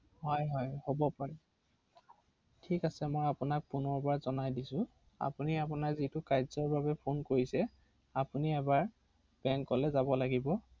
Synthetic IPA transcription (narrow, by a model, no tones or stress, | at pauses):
hɔjɦɔjhobɔpaɹɛ | tʰikasɛmojapʊnak̚punɔɹbaɹzɔnajdisʊ̃ | a̰puniap̬ʊnakzitʊkajzɔɹbabɛpʰonkoɹisɛ | apuniɛbaɹ | b̥ɛŋkːɔlɛzabɔlaɡibɔ